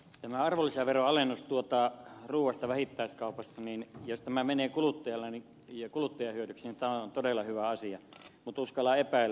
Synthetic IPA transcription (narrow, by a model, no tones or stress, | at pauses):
t̪æmæɑrʋolːisɑʋeroɑlenːust̪uot̪ɑruːw̆ˑɑst̪ɑʋæhit̪ːæˑiskɑˑupɑsːɑninjost̪æmæmeneːkulut̪ːɑjɑlːɑni | jɑkulut̪ːɑjɑhyødyksinit̪æoont̪odelːɑhyʋæɑsiɑmut̪uskɑlːɑepæˑilːæ